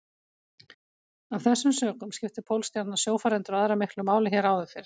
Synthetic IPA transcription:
avθɛsːʏmsœːkʏmscɪft̪ɪpʰowlst̪jat̪nasjoːwfaɾɛnt̪ʏɾaðɾamɪhklʏmaːwlɪçɛːɾawðʏfɪɾ̥

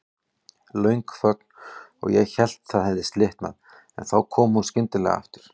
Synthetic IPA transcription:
lœɥŋkfœkn̥ɔ̰ɣjɛɣçɛl̥t̪θaðhɛvðɪst̪lɪht̪na̰ð | ɛ̰nθawkʰɔːmunscɪnt̪ɪlɛɣa̰ft̪ʏɾ̥

